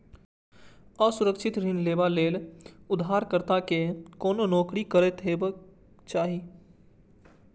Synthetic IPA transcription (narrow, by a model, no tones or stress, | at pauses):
əsʊɾəkʃʰɪt̪ɾɪnleːbaleːlʊd̪ɦaːɾkəɾt̪akekoːnonoːkɾikəɾet̪ɦeːbə | t͡ʃaːɦi